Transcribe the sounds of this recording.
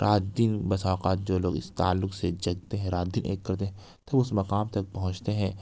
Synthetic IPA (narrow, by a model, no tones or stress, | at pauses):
ɾʔaːt̪̚d̪ɪnbɐsaːqaːt̪̚d͡ʒoːloːɡɪ̰st̪a̰ːlːʊksed͡ʒɐɡt̪eɦɛ̃ɾaːt̪̚d̪ɪnʔḛːkːɐɾt̪eɦɛ̃ | t̪ɐbʊsmɐqaːmt̪ɐk̚pɐɦʊ̃t͡ʃt̪eɦɛ̃ː